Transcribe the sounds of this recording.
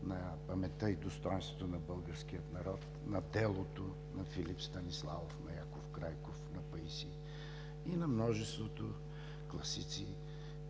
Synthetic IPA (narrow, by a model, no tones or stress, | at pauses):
nɐpɐmɛt̪əid̪ost̪ɔjɛ̃nst̪vot̪onɐbɤlˠɡəɾsk̟ijət̪nɐɾɔt̪ | nɐd̪ɛlˠot̪o | nɐfilipst̪ɐnislˠavofnɐjakofkɾajkofnɐpɐisi | inɐmnɔʒɛst̪vot̪o | klˠɐsit̪si